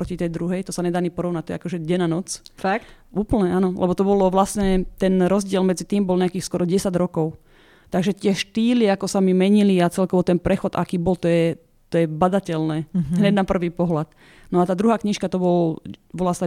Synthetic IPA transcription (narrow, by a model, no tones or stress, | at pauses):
pɾɔcit̪ɛjd̪ɾuɦɛjt̪ɔsaɲɛd̪aɲipɔɾɔʊnac̚t̪ɔjɛakɔʒɛɟɛnanɔt͡sfak | ʔuːpl̩ɲɛʔanɔlʔɛ̰bɔt̪ɔbɔlɔʋlasɲɛt̪ɛnɾɔzɟɪɛlmɛd͡zit̪iːmbɔlɲɛakiːxskwɔɾɔɟɛsaɟɾɔkɔʊ | t̪aɡʒɛt̪ɪɛʃt̪iːliakɔsamimɛɲiliat͡sɛlkɔʋɔt̪ɛnpɾɛxɔd̪ʔa̰kiːbɔlt̪ɔjɛ | t̪ɔjɛbad̪acɛlnɛːɦɲɛɟnapr̩ʋiːpɔɦlat̪ | nɔat̪aːd̪ɾuɦaːkɲiʃkat̪ɔbɔlʋlas